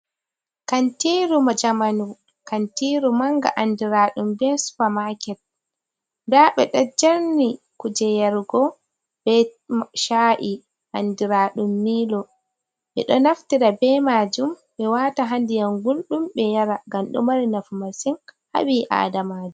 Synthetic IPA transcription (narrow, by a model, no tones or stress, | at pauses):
kantiɾumad͡ʒamanu | kantiːɾumaŋɡa̰ʔandiɾaːɗumbɛsu̥famakɛt̚ | ndaɓɛɗad͡ʒaɾni | kud͡ʒɛjaɾɡɔ | b̥ɛʃaːʔi | ʔandiɾaːɗumːiːlɔ | ɓɛ̰ɗɔnaftiɾabɛmaːd͡ʒum | ɓɛwaːtaɦandijaŋɡulɗumɓɛjaɾaɡamɗṵmaɾinafumasinha̰ɓiʔa̰ːdamaːd͡ʒu